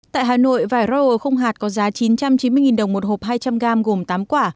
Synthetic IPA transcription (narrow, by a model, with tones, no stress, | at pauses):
t̪a̰ː˧˨jɦaː˨˩no̰˧˨jvaː˧˩jɾɔ˧ʔo˨˩xə˧wŋ͡mɦaː˨˩t̚kɔ˨˦zaː˨˦t͡ɕi˨˦nt͡ɕa˧mt͡ɕi˨˦nmɨ˧jŋi˨˩nɗə˨˩wŋ͡mmo˨˩t̚ho˨˩p̚ɦaː˧jt͡ɕa˧mɣaː˧mɣo˨˩mt̪aː˨˦mkwaː˧˩